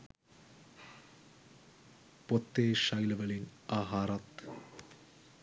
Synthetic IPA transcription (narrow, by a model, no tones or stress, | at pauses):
pot̪ːeːʃɐjlɐʋɐlinaːɦaːɾɐt̪